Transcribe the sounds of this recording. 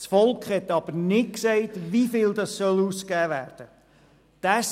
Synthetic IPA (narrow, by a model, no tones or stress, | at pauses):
sfɔlˠkχhɛt̪ɑb̥əɾnɪt̚ksɛɪtʋifɪld̪ɑssœluskæːʋæ̰ːɾd̥ə | d̥æs